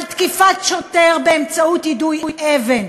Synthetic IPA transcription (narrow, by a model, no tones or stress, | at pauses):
lt̪kifat̪ʃoteʁbeːmt͡saut̪hidujjʔeven